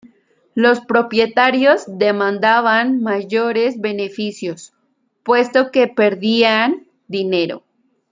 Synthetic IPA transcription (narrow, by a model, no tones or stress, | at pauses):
lo̞spɾo̞pje̞t̪aɾjo̞zðe̞mãnd̪aβanmaʝo̞ɾe̞zβe̞nefisjo̞s | pwe̞st̪o̞ke̞pe̞ɾðian | d̪ine̞ɾo̞̰